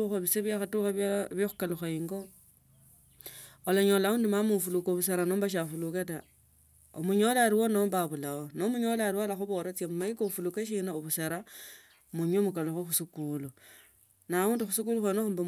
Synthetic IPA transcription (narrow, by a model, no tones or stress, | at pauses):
xoβiseβjaxatuxaβjoxukaluxaiŋɡo | olaɲolauːndimamufulukoβuseɾanoːmbaʃ̬afuluketa | o̰muɲo̞laɾiwonombaβulaonomuɲo̞laɾiwalaxuβoɾet͡sjamumaikofulukeʃ̬inaoβuseɾa | muɲwomukaluxoxusukulu | nauːndixusukuluxwenoxumba